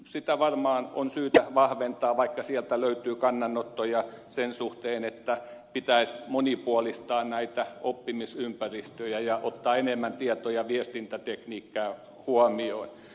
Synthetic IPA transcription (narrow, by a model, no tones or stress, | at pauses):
sit̪æʋɑrmɑːno̰nsyːt̪æʋɑhʋent̪ɑːʋɑikːɑsielt̪æløyt̪yːkɑnːɑnːot̪ːojɑsensuht̪eːnet̪ːæpit̪æismonipuolist̪ɑːnnæit̪æopːimisympærist̪øjæjɑʔot̪ːɑːenemːænt̪iɛt̪ojɑʋiest̪int̪æt̪ekniːkːæː | huɑmioin